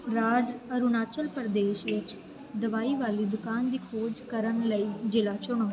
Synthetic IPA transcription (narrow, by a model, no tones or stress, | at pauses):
ɾaːd͡ʒəɾʊnaːt͡ʃəlpəɾd̪eːʃʋɪt͡ʃ | d̪əʋaːiːʋaːliːd̪ʊkaːnd̪iːkʰoːd͡ʒkəɾənləiːd͡ʒɪlaːt͡ʃʊɳ̃oː